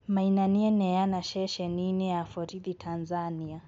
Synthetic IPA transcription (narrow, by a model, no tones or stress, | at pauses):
mainaniɛnɛjanaʃɛʃɛninɛafɔɾiðitʰanzania